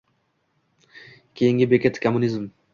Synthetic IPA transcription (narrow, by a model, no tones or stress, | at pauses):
kʲʰejɪŋɡʲɪbekʲʰet̪ʰkʰomːʊnizm